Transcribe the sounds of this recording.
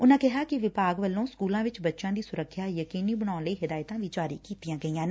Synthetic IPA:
ʊnãːkɪɦaːkɪʋɪpaːɡʋəlːõːskuːlãːʋɪt͡ʃbətːʃãːd̪iːsʊɾəkʰːjaːjəkiːniːbəɽ̃aːnləiːɦɪd̪aːɪt̪ãːʋɪːt͡ʃaːɾiːkiːt̪ijãːɡəiːãːn

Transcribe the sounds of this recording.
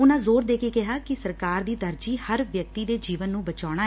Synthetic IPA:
ʊnãːzoːɾd̪eːkeːkɪɦaːkɪsəɾkaːɾd̪iːd̪əɾd͡ʒiːhəɾʋjək̚t̪iːd̪eːd͡ʒiːʋənːũːbət͡ʃaːɽ̃aː

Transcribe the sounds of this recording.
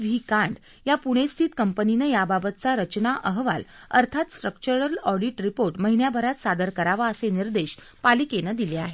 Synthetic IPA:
ʋʱikãɳɖ | japuɽ̃est̪ʰiːt̪kəmpəninejababət̪̚t͡saɾət͡ɕnaʔəɦʋa̰ləɾt̪ʰat̪sʈɾək̚t͡ɕəɾəlɔɖiʈɾipoɾʈməɦinjabʱəɾat̪sad̪əɾkəɾaʋaəseniɾd̪eɕ | palikenəd̪ileaɦe

